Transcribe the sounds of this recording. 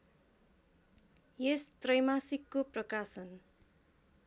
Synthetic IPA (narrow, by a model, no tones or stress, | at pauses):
jest̪rʌjmasikːoprʌkasʌn